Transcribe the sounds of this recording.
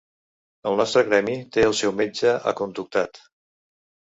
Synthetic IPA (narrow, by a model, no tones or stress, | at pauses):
əlˠnɔst̪ɾəɣɾɛmit̪eəlˠsɛwmed͡ʒəʔə̰kunt̪uk̚t̪at̪